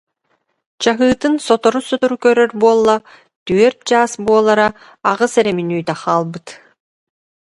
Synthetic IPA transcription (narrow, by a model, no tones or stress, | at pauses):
t͡ɕaɦɯːt̪ɯnsɔt̪ɔɾusɔt̪ɔɾukœɾœɾbuɔlˠːa | t̪yɛɾ̚d͡ʑaːsbuɔlˠaɾaː | ʁɯsɛɾɛminyːt̪aχaːlˠbɯt̪